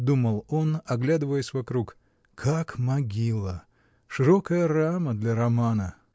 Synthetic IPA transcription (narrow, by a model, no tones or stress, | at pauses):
d̪uməlˠo̞nɐɡlʲad̪ɨvəjɪsʲvɐkɾuk | kʰakmɐɡʲilˠə | ʂɨɾokəjəraməd̪lʲɐɾɐmanə